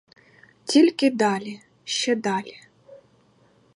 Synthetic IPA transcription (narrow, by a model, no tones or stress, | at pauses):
tʲilʲkɪd̪ɑlʲi | ʃt͡ʃɛd̪ɑlʲi